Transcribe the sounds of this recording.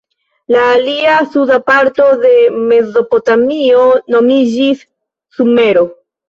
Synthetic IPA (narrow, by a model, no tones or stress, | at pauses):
laːliasudapaɾto̞ðe̞me̞zo̞po̞tamio̞no̞mid͡ʒisː | ume̞ɾo̞